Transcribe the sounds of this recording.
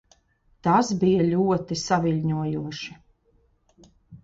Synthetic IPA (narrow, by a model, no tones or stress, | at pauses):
t̪asbijɐlʲuɔt̪isavilʲɲuɔjuɔʃi